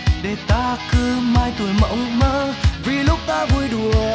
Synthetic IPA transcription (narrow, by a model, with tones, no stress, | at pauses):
ɗe˨˩t̪aː˧kɨ˧maː˧jt̪u˨˩əjmə̰˧˥wŋ͡mməː˧˦vi˨˩lʊ˦˥k͡p̚t̪aː˧vu˧jɗu˨˩ə